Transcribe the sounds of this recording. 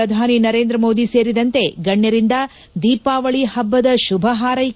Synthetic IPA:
ɐd̪ʱaːninɐɾe̞ːnd̪ɾɐmo̞ːd̪ise̞ːɾid̪ɐnt̪e̞ɡɐɳjɐɾind̪ɐ | d̪iːpaːʋɐɭihɐbːɐd̪ɐʃubʱɐɦaːɾɐ

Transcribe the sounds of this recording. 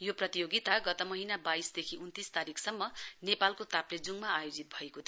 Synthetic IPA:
joprʌt̪ijoɡit̪aɡʌt̪ʌmʌɦinabaisd̪ekʰiunt̪ist̪aɾikʰsʌmːʌnepalkot̪apled͡zuŋmaːjod͡zit̪̚bʱʌekot̪ʰ

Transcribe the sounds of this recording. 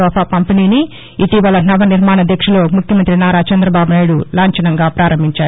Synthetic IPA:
ɔːpʰaːkɐmpɐniːniː | t̪iʋɐlɐnɐʋɐniɾmaːɳɐd̪ʱjɐkʂɐlo̞ːmukʰjɐmɐnt̪ɾinaːɾaːt͡ʃɐnd̪ɾɐbaːbunaːjɽulaːɲt͡ʃɐnɐŋɡaːpɾaːɾɐmbʱiɲt͡ʃaːɾu

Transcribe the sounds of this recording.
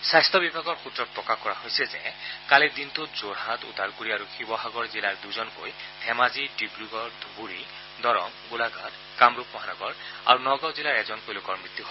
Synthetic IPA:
sast̪ʰɔbibʱaɡɔɹxut̪ɾɔk̚pɹɔkakɔɾaɦojsezekaled̪int̪ud͡zoɾɦat̪ṵd̪ʱaɾkoɾiaɾuxibɔbʱaɡɔɹzilaɹd̪ujzɔnko̰jhʰɛmaziɖibɾuɡɔɹd̪ʱubuɾi | d̪ɔɾɔmɡulaɡʱat | kamɾupmɔɦanɔɡɔɹa̰ɾunɔɡawzilaɾɛzɔnkojlokɔɹmɹit̪ːjuɦo

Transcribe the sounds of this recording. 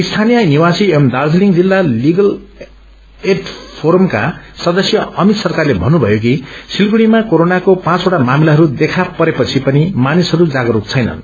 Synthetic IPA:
ist̪ʰanijʌniwasiemd̪ard͡zliŋd͡zilːaliɡʌl | eʈpʰoɾʌmka̰sʌd̪ʌsjʌʌmit̪sʌrkarlebʱʌnːubʱʌjok̬isilkuɽimakoɾonakopãt͡soʈamamilaɦʌɾud̪ekʰapʌɾepʌt͡sʰipʌnimanisɦʌɾud͡zaɡʌɾukt͡sʰʌjnʌ̰n

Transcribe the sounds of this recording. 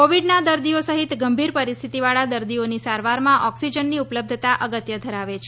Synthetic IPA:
koʋiɖnad̪əɾd̪iosəɦit̪ɡəmbʱiɾpəɾist̪ʰit̪iʋaɭad̪əɾd̪ionisaɾʋaɾmãʔɔksid͡ʒənːiupləb̚d̪ʱt̪aʔəɡət̪jəd̪ʱəɾaʋet͡ʃʰe

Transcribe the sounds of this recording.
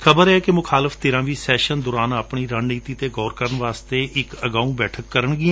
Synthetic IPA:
kʰəbəɾɛːkemʊkʰaːlɪfʰt̪ɪːɾãːʋiːsɛːʃənd̪ʊɾaːnapɳiːɾaːnniːt̪iːt̪eːɡɔːɾkəɾəɳʋaːst̪eːʔɪkəɡaːũːbɛːʈʰəkːəɾəɳɡĩ

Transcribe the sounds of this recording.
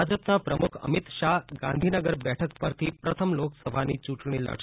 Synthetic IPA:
ad͡zəpnapɾəmukʰə̰mit̪ɕaɦɡã̰nd̪ʱinəɡəɾbɛʈʰəkpəɾt̪ʰiːpɾət̪ʰəmloksəbʱanḭːt͡ɕuʈɳ̃iːlə̰ɽ

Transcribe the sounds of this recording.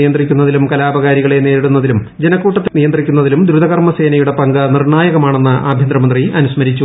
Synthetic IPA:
ijɐnd̪rikʲːunːɐðilumkɐlaːbɐɣaːɾiɣɐɭe̞ne̞ːɾiɽunːɐðilum | d͡ʑenɐkːuːʈːɐt̪ːenijɐnd̪rikʲːunːɐðilumd̪ɾuðɐɣɐrmɐse̞ːnɐjuɽe̞pɐŋɡɐnirɳaːjɐɣɐmaːɳe̞nːɨʔʔa̰ːbʱjɐnd̪rɐmɐnd̪riɐnusmɐɾit͡ɕːu

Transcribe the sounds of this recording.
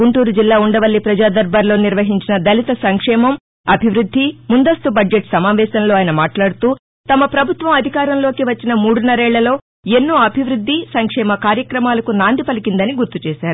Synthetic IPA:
ɡuɳʈuːɾud͡ʒilːaːuɳɖɐʋɐlːipɾɐd͡ʒaːd̪ɐɾbʱaːɾlo̞ːniɾʋɐɦiɲt͡ʃinɐd̪ɐlit̪ɐsɐŋkʂɛːmɐm | ɐbʱiʋɾud̪ʱːimund̪ɐst̪ubɐd͡ʒeʈsɐmaːʋɛːsɐmlo̞ːaːjɐnɐmaːʈlaːɽut̪uː | t̪ɐmɐpɾɐbʱut̪ʋɐmɐd̪ʱikaːɾɐmlo̞ːkiʋɐt͡ʃːinɐmuːɽunːɐɾɛːɭːɐlo̞ː | e̞nːoːɐbʱiʋɾud̪ʱːisɐŋkʂɛːmɐkaːɾjɐkɾɐmaːlɐkunaːnd̪ʱipɐlikind̪ɐniɡuɾt̪ut͡ʃɛːʃaːɾu

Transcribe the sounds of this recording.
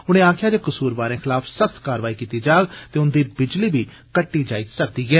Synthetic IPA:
ʊñẽːaːkʰjaːd͡ʒeːkəsuːɾbaːɾẽːxʰɪlaːpʰsəxt̪kaːɾʋaːiːkiːt̪iːd͡ʒaːɡt̪eːʊnd̪iːbɪd͡ʒliːbiː | kəʈːiːd͡ʒaːiːsək̚d̪iːɛː

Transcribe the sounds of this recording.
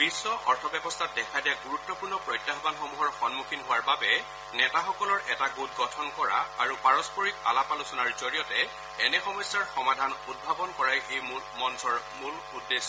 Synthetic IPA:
b̥isːɔʔɔɹtʰɔbjɛbɔstʰat̚dɛkʰadijaɡuɹutːɔpuɹnɔpɹɔjtːaɦɔbanxɔmuɦɔɹxɔnmukʰinɦʊwaɹbabɛ | nɛtaxɔkɔlɔɹɛtaɡut̚ɡɔtʰɔnkɔɹa̰aɹupaɹɔspɔɹik̚a̰lapalʊsʊnaɹzoɹijɔtɛ | ɛnɛxɔmɔsjaɹxɔmadʱanud̚bʱabɔnkɔɹajej | mɔnsɔɹmul | udːes

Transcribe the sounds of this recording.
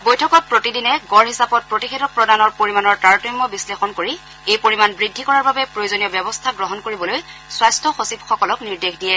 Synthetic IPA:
bojtʰɔkɔt̚pɹotidinɛɡɔɹɦisapɔt̚pɹotixedɔpɹɔdanɔɹpoɹimanɔɹtaɹtɔmːɔbislexɔnkoɹi | ejpoɹimanbɹidʱːikɔɹaɹbabɛpɹojozoniɔbɛbɔstʰaɡɹɔɦɔnkoɹibɔlojswastʰɔxosipxɔkɔlɔkniɹdexdijɛ

